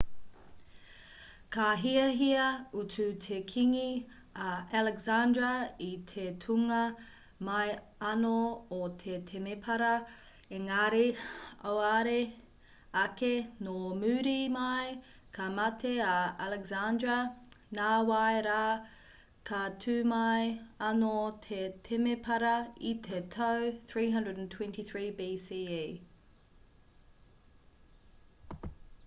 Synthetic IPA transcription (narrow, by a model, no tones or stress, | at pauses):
kɐɦiɐɦiɐututʰekʰiŋi | ɐalɛkzandɹɐit̪ʰetʰuŋɐ | mɐj | ɐnoot̪ʰet̪ʰemepʰɐɾɐ | eŋaɾeowaɾe | ɐkenomʉːɾimɐj | kʰɐmɐtʰeɐalɛkzandɹɐnaːwajɾaː | kʰɐtʰʉːmɐjɐnot̪ʰet̪ʰemepʰɐɾɐit̪ʰetʰɐwθɹiːɦɐ̃ndɹədntʰwɛ̃ntiθɹiːbiːsie